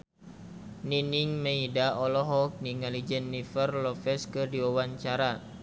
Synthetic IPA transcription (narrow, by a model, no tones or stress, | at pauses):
niniŋmeidaʔɔlɔɦɔk̚niŋalid͡ʒənːifərlɔfɛskɨrdiwawaɲt͡ʃaɾa